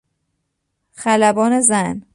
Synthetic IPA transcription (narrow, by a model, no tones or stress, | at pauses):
xælæbɒːne̞zæn